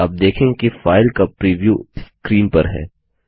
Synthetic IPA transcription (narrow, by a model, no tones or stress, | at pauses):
ɐb̚d̪eːkʰẽːkifaːɪlkapɾiːʋjuːskɾiːmpɐɾɦɛ̰ː